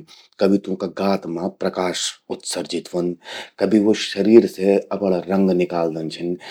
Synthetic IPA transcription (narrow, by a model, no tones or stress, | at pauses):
kɐbʱit̪ũkaɡaːt̪mãpɾɐkaːʃʊt̪sɐɾd͡ʒɪt̪ʋɐnkɐbʱiʋoʃɐɾiːɾseɐpəɽaɾɐ̃ŋɡnɪkaːld̪ɐnt͡ʃʰɐn